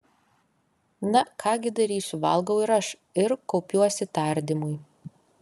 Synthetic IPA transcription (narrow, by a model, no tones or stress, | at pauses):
nɐkʰɑːɡʲɪd̪ɐɾʲiːsʲʊʋɐ̰lˠɡɐʊɪɾɐʃ | ɪɾkɔʊpʲuɔsʲɪt̪ɑˑɾʲd̪ʲɪmʊj